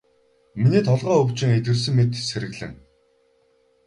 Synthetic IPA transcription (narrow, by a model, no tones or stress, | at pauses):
miniːt̪ʰɔɮʁœːɵwt͡ɕɪ̆ŋet̪ɡɘ̆rs̬ɘ̆ŋmet̪seɾɘ̆ɣɮɘ̆ŋ